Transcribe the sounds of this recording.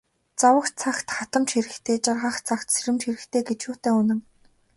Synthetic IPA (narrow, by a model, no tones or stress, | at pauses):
t͡sawə̆kt͡sʰaxt̪χat̪ə̆mt͡ɕxiɾɘ̆kt̪ʰeːt͡ɕarʁə̆χt͡sʰakt̪seɾɘ̆mt͡ɕxiɾɘ̆xt̪ʰeːɡet͡ɕʃuːt̪eːʊnə̆ŋ